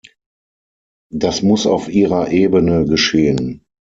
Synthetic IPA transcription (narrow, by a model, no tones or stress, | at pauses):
d̥asmʊsa̰ʊfʔiːʁɐʔeːbənəɡəʃeːən